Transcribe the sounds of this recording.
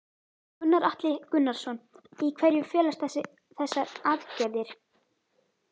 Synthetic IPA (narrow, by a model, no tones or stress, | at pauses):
kʏnːaɾaht̪lɪkʏnːaɾ̥sɔnikʰvɛɾjʏfɛːlast̪ɛsɪ | θɛsːaɾaːðcɛːðɪɾ̥